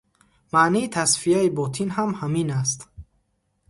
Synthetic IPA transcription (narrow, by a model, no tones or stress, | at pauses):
maʔniːt̪ʰasfijaibɔt̪ʰinɦamhaminas̬t̪